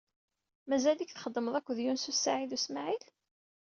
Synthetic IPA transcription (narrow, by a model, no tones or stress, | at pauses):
mæzælikθχəd̪ˤːəməðˤækʷːðjunsusaʕiðusmaʕil